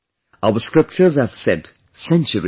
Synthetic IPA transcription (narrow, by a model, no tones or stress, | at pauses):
ʔaʊəskɹɪp̚t͡ʃəzhæv̥sɛd | sɛ̃nt͡ʃəɹi